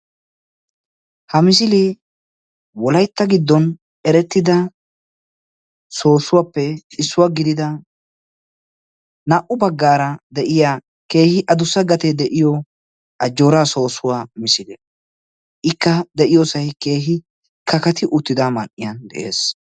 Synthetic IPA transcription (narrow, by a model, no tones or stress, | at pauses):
hɐmɪs̬ɪlɪ | wɔlɐjt̪ːɐɡɪd̪ːɔn | ɛɾɛt̪ːɪd̪ɐ | so̞ːsʊwaːpːɛɪsːʊwaɡɪd̪ɪd̪ɐ | naʔʊbɐɡːaːɾɐd̪ɛʔɪjaː | ke̞ːhɪʔɐd̪ʊsːɐɡɐt̪ɛd̪ɛʔɪjɔ | ʔɐd͡ʒːo̞ːɾaːso̞ːsʊwaːmɪsɪlɛ | ʔɪkːɐd̪ɛʔɪjoːsɐjke̞ːɦɪ | kɐkɐt̪ɪʔʊt̪ːɪd̪aːmɐnʔɪjɐnd̪ɛ̰ʔe̞̰ːs